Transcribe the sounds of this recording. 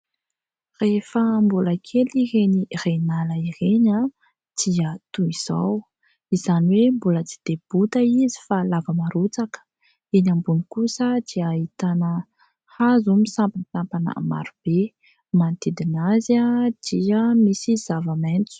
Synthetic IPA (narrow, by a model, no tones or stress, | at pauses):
refəmbuləkʰeliɦenirenaləireɲa | d̪̥iət̪uiz̥aw | izaniwembulət͡si̥d̪̥eb̥ut̪əizi̥falavəmaɾut͡sakə̥ | inambunikusəd̪̥iait̪anə | hazumisampansampanə̰ma̰ɾub̥e | mant̪id̪inazad̪̥iəmisiz̥avament͡su̥